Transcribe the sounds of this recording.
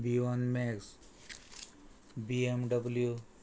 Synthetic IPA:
biʋanmeks | biemɖəblju

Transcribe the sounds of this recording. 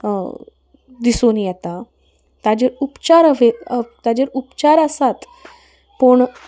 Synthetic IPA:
d̪isonijɛt̪a | t̪ad͡ʑeɾupt͡ɕaɾʋet̪ad͡ʑeɾupt͡ɕaɾəsat̪ | pəɳ

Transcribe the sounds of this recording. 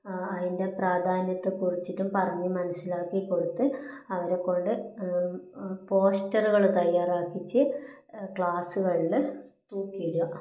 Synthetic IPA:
ɐðinde̞praːd̪ʱaːnjɐt̪ːɨkurit͡ɕːitːumpɐrɐɲːimɐnɐsːilaːkːikːoɽut̪ːɨɐʋɐɾe̞kːo̞ɳɖɨ | po̞ːstɐruɣɐɭt̪ɐjːaːraːkːit͡ɕːɨ | kɭaːsuɣɐɭilt̪uːkːiiɾuɐ

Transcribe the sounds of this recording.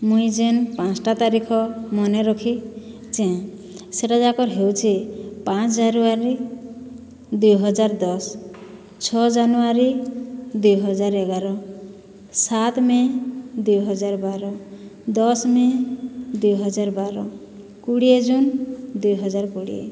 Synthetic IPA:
muĩd͡ʒenpãt͡ʃʈat̪aɾikʰɔmɔneɾɔkʰi | t͡ʃɛ̃ | seʈad͡ʒakɔɾɦewt͡ʃʰipãt͡ʃʰd͡ʒanuaɾi | d̪ujɦɔd͡ʒaɾd̪ɔs | t͡ʃʰɔd͡ʒanuaɾid̪ujɦɔd͡ʒaɾeɡaɾɔ | sat̪mẽd̪ujɦɔd͡ʒaɾbaɾɔd̪ɔsmẽd̪ujɦɔd͡ʒaɾbaɾɔ | kuɽied͡ʒund̪ujɦɔd͡ʒaɾkuɽḭḛ

